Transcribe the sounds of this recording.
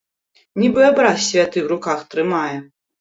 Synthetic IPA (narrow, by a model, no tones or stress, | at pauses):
nʲibɨabɾasʲvʲat̪ɨwɾukaxt̪ɾɨmajɛ